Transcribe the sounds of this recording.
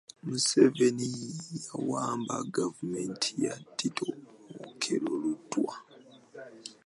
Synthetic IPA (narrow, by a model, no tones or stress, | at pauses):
musevenijawaːmbaɡavume̞ntʰijatːitʰoːkʰeɾoludːwa